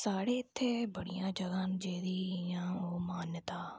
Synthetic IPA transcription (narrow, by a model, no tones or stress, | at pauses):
saːɽeːɪt̪ʰːeːbəɽijãːd͡ʒəɡãːnd͡ʒeːd̪iːjãːoːmaːnt̪aː